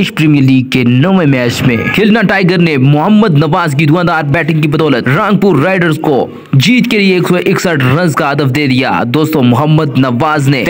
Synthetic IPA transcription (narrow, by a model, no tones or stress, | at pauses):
ɪʃpɾiːmijəɾliːɡ̚kenɐʋẽmɛːt͡ʃmḛ̃kʰɪlnaʈaːɪɡəɾnemʊɦəmːəd̪nɐʋaːzkid̪ʊkãːnd̪aːɾbɛːʈɪ̃ŋɡkibɐd̪ɔːlət̪ɾãːŋɡ̚puːɾːaːɪɖəɾzko | d͡ʒiːt̪kelieeːksɔʔɪksəʈɾɐ̃nzkaɦɐd̪əfd̪eːd̪ija̰ːd̪oːst̪õmʊɦəmːəd̪nɐʋaːzne